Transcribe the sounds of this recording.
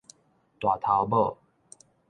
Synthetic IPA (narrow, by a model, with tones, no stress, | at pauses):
t̪wa˨˩t̪ʰa˨˦ʊbə˥˨